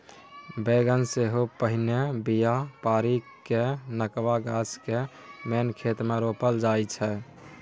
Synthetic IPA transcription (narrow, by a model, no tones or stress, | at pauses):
beɡənseɦopəɦinebijapaɾi | kːenəkʋaɡaskemenkʰet̪meɾopəld͡ʒajt͡ʃʰɛ